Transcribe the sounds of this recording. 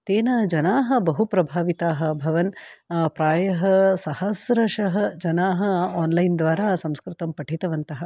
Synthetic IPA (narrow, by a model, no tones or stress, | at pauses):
t̪eːnɐd͡ʒɐnaːɦɐ̆bɐɦupɾɐbʱaːʋit̪aːɦɐ̆bʱɐʋɐnpɾaːjɐɦɐsɐhɐsɾɐʂɐɦɐd͡ʒɐnaːɦɐaːnlɐjnd̪ʋaːɾaːsɐmskɾɪt̪ɐmpɐʈʰit̪ɐʋɐnt̪ɐɦɐ̆